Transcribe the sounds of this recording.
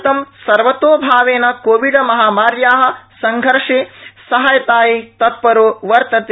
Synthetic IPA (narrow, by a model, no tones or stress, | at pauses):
t̪ɐmsɐɾʋɐt̪oːbʱaːʋeːnɐkoːʋiɖɐmɐɦaːmaːɾjaːɦɐ̆sɐŋɡʱɐɾʂeːsɐɦɐjɐt̪aːjit̪ɐt̪̚pɐɾoːʋɐɾt̪ɐt̪ː